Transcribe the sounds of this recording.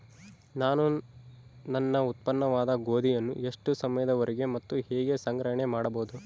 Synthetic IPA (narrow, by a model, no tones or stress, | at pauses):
naːnu | nɐnːɐut̪̚pɐnːɐʋaːd̪ɐɡoːd̪ʱijɐnːṵe̞ʂʈusɐmɐjɐd̪ɐʋɐɾiɡe̞mɐt̪ːuhɛːɡe̞sɐŋɡɾɐɦɐɳemaːɽɐboːd̪u